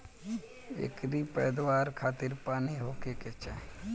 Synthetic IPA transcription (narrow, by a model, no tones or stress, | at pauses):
ḛːkɾipɛːd̪waːɾkʰaːt̪ɪɾpaːniɦoːkeket͡ʃa